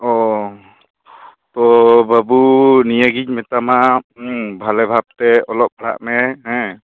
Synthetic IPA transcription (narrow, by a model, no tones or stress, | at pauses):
ɔ | t̪ɔbʱabunijaɡiɲ̚mɛt̪ama | bʱalɛbʱab̚t̪ɛɔlɔp̚bəɽa̰ʔmɛɦɛ̃